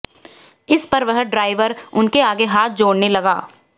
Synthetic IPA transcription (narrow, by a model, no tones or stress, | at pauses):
ɪspɐɾʋɐɦɖɾaːɪʋəɾʊnkeaːɡeɦaːt̪̚d͡ʒoːɽnelɐɡaː